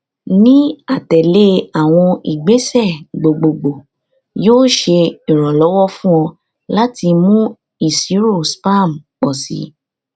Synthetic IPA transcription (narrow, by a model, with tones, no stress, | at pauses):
nĩ˦a˦˨tɛ˨le˦a˨w̃ɔ̃˧i˨ɡ͡be˨˦sɛ˦˨ɡ͡bo˨ɡ͡bo˨ɡ͡bo˨ | joː˦ʃe˧i˨ɾ̃ɔ̃˨lɔ˨˦wɔ˦fũ˦ɔ̃˧ | la˦ti˧mũ˦ | i˦˨si˨˦ɾo˦˨spa˦˨m̩˨k͡pɔ˨sḭ˨˦